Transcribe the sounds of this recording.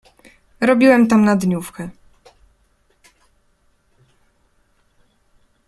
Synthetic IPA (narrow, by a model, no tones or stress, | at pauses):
ɾɔbʲiwɛmt̪amnad̪ɲufkɛ